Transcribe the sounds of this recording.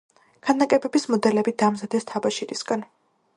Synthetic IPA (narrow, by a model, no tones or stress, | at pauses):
kʰanakʼɛbɛbismɔd̪ɛlɛbid̪aːmzad̪ɛst̪ʰabaʃiɾisɡan